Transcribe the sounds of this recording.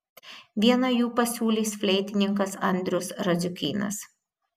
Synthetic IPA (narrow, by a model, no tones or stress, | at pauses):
ʋʲiɛnɐjuːpɐsʲuːlʲiːsfʲlʲɛɪt̪ʲɪnʲɪŋkɐsɐnʲd̪ʲɾʲʊsɾɐzʲʊkʲiːnɐ̰s